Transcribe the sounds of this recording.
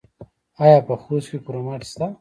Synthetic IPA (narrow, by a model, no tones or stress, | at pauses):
ajapɐxuːskikuɾomɐʈst̪a